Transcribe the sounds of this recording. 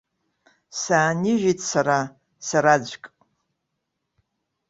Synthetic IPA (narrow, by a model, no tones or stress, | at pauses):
saːniʒᶣitʼsaɾa | saɾad͡ʑʷkʼ